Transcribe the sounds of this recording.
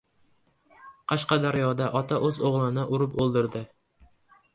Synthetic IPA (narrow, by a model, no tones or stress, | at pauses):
qʰɑʃqɑd̪aɾjɒd̪aʔɒt̪ʰaʔɵzoʁlˠɪnɪʔʊɾʊpolˠd̪ɪɾd̪ɪ